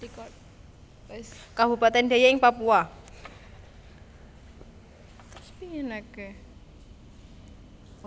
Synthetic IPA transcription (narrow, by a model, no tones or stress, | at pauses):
tikɔ | kabṳpat̪ɛnd̪a̤jaɪŋpapua | t̪spianake